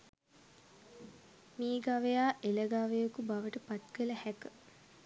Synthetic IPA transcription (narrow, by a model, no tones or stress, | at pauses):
miːɡaʋejaːʔeləɡaʋejəkubaʋəʈəpat̪̚kələhækə